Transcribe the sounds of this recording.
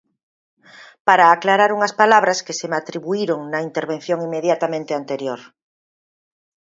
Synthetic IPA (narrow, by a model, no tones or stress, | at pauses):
paɾaːklaɾaɾuŋɐspalaβɾaskesemat̪ɾiβuiɾoŋnɐint̪eɾβ̞en̟θjoŋimːeðjat̪amẽnt̪eant̪eɾjoɾ